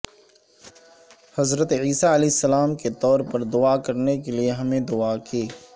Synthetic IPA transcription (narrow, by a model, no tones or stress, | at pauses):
hɐzɾət̪iːsaɐlɛːɪsːəlaːmket̪ɔːɾpɐɾd̪ʊakɐɾnekelieɦɐmẽd̪ʊakeː